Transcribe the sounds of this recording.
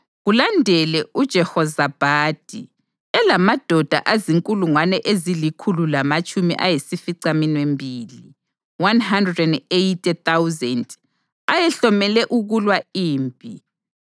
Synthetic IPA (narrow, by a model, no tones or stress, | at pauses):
ɣulandʱɛlɛud̥ʒ̥ʱɛhɔzab̥ʱaːd̥ʱi | ɛlamad̥ʱɔd̥ʱa̰ʔaziŋkʼuluŋwanɛʔezilikʰululamat͡ʃʼumḭʔajesifiǀaminwembʱiːli | wanhandrɛdɛndejtʼɛθawuzɛnd | ajɛɬɔmɛlɛʔuɣulwaiːmbʱʼi